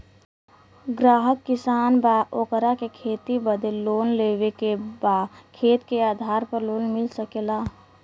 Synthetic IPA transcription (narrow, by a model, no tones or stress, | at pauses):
ɡɾaːɦəkːɪsaːnbaʔokəɾakekʰeːt̪ibəd̪ʱeloːnlewekebaːd̪kʰeːt̪keaːd̪ʱaːɾpəɾloːnmɪlsəkela